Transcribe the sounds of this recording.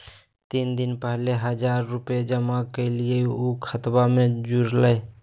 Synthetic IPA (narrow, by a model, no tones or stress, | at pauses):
t̪iːnd̪ɪnpɛɦleɦəd͡ʒaːɾːʊped͡ʒəmakelieukʰət̪bamẽd͡ʒuɾləe